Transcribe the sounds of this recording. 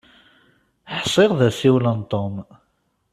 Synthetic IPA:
ħsˤɪʁðæsiwlənt̪ˤom

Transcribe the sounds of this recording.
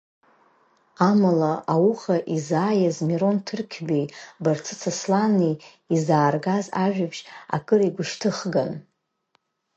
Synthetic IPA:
amalaawuχaʔizaːjazmiɾo̞ntʰɨrkʲʰbejbart͡sʰɨt͡sʰaslanij | izaːrɡazaʒᶣapʰʃa̰kʼɨriɡʷʊʃtʰɨχɡan

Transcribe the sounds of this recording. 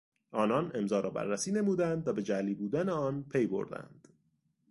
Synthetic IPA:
ʔɒːnɒːne̞mzɒːɾɒːbæ̰ɾːæsiːne̞muːd̪ænd̪̚t̪ʰɒːbe̞d͡ʒæliːbuːd̪æneɒːnpʰe̞jbo̞̰ɾd̪æ̰nd̪̥

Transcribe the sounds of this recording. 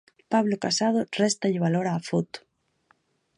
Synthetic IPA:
paβlokasað̞orest̪aʎeβ̞aloɾaːfut̪

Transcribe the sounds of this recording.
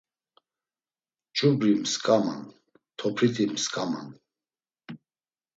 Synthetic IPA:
t͡ʃʼubɾimskʼama̰n | t̪ʰɔpʰɾit̪ʰimskʼama̰n

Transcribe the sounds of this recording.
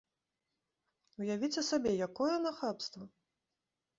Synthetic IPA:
wjavʲit͡sʲɛsabʲɛjakɔjɛnaxapst̪vɐ

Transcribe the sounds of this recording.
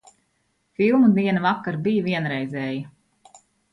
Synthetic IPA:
filˠmud̪iɛnɐvakːaɾbijviɛnɾɛjzʲɛːji

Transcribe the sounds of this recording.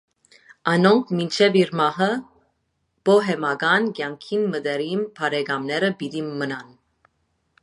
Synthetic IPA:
ɑnɔŋkʰmint͡ʃʰɛviɾmɑɦə | b̥ɔɦɛmɑɡɑnɡjɑŋkʰinməd̪ɛɾinpʰɑɾɛɡɑmnɛɾəbid̪imənɑn

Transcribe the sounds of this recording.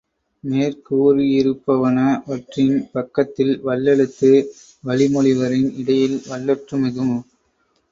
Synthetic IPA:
neːɾkuːɾijɪɾɯpːɐʋɐnɐʋɐʈrɪnpɐkːɐt̪ːɪlʋɐɭːɛɭɯt̪ːɯ | ʋɐɭɪmɔɭɪʋɐɾɪnɪɽɐjɪlʋɐɭːɐʈrɯmɪðɯm

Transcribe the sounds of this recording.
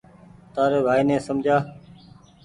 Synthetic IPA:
t̪aːɾeːbʱaːiːnẽːsəmd͡ʒʱaː

